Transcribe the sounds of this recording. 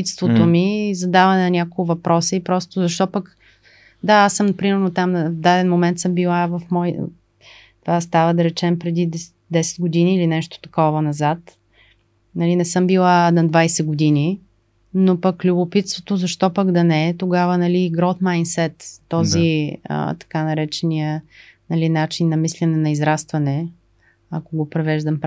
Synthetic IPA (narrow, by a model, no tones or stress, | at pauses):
it̪st̪vot̪omizɐd̪avɐnɛnɐnʲakoʊvɐpɾʔɔsiipɾɔst̪ozɐʃt̪ɔpək | d̪aasːɤmpɾimɛɾnot̪amvd̪ad̪ɛnmomɛnt̪sɤmbilˠavɐfmɔj | t̪ovast̪avəd̪ɐɾɛt͡ʃɛmpɾɛd̪id̪ | d̪ɛsɛ̥d̪ɡod̪iniːlinɛʃt̪o̥t̪ɐ̥kɔvɐnɐzat̪ | nɐlinɛsɤmbilˠanɐd̪vajsɛɡod̪ini | nopɐklʲubʊpit̪st̪vot̪ozɐʃt̪ɔpəɡd̪ɐnɛt̪oɡavənɐliɡɾot̪majnsɛt̪ːɔziə̰t̪ɐ̥kanɐɾɛt͡ʃɛniənɐlinat͡ʃinːɐmislʲɛnɛnɐizɾast̪vɐnɛ | ɐ̰koɡopɾɛvɛʒd̪ɐmp